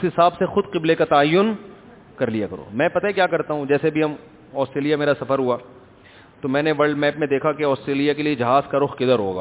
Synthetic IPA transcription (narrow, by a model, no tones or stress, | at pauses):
ʊsɦɪsaːbsexʊd̪qɪblekat̪aːjːʊn | kɐɾlijakɐɾo̰ːmɛ̃ːpɐt̪aɦikjaːkɐɾt̪aɦũd͡ʒɛːsebʱiɦɐm | ɔːsʈɾeːlijameːɾasɐfəɾɦuaː | t̪omɛ̃ːneʋɐɭɖmɛːpmẽd̪eːkʰakeɔːsʈɾeːlijakelied͡ʒɐɦaːzkaɾʊxkɪd̪əɾɦo̰ːɡa̰ː